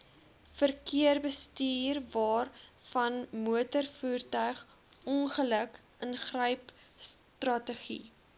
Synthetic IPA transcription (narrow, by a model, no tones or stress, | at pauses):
fərkiərbəstiːrvɑːrfɐnmuətərfuːrtœɥχʔɔnχələkənχrəɥps | trɐtəχḭ